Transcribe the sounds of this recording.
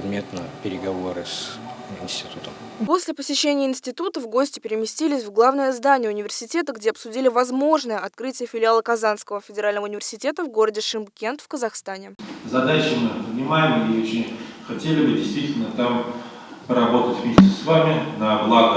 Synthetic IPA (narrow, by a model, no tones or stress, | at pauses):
ɪd̪mʲet̪nə̰pʲɪɾʲɪɡɐvoɾɨsɪnsʲtʲɪ̥t̪ut̪əm | po̞sʲlʲɪpəsʲɪɕːenʲɪjəɪnsʲtʲɪt̪ut̪əvɡo̞sʲtʲɪpʲɪɾʲɪmʲɪsʲtʲilʲɪsʲvɡlˠavnəjəzd̪anʲɪjəʊnʲɪvʲɪrsʲɪtʲe̞t̪əɡdʲeɐpsʊdʲilʲɪvɐzmo̞ʐnəjəɐt̪kɾɨtʲɪjəfʲɪlʲɪalˠəkɐzanskəvəfʲɪdʲɪɾalʲnəvəʊnʲɪvʲɪrsʲɪtʲe̞t̪əvɡo̞ɾədʲɪʂɨmkʲe̞nt̪fkəzɐxst̪anʲɪzɐd̪at͡ɕɪmɨvnʲɪmajɪmɪot͡ɕɪnʲxɐtʲelʲɪbɨdʲɪjst̪vʲitʲɪlʲnət̪am | pəɾɐbo̞t̪ətʲvmʲesʲtʲɪsvamʲɪnɐblˠaɡə